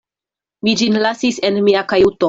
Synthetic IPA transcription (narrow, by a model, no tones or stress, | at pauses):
mid͡ʒinlasise̞nmiakajuto